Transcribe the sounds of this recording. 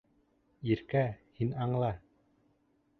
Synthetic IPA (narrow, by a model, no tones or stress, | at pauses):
iɾkæhinɑɴlˠɑ